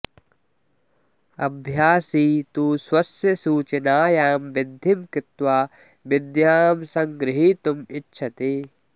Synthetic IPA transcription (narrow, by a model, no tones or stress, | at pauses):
ɐbʱjaːsiːt̪uːswɐsjɐsuːt͡ʃɐnaːjaːmʋɪd̪ʱimkɪt̪ʋaː | ʋɪd̪jaːmsɐ̃ŋɡɾɪɦiːt̪umɪtːʃʰɐt̪eː